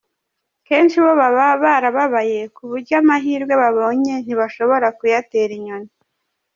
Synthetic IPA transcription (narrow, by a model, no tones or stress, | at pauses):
ke̞ːnʃiβoβaβaβaɾaβaβaje̞kuβuɾɟamaɦiːɾɡwe̞βaβo̞ːɲe̞n̥iβaʃo̞βoɾakujate̞ɾiɲoni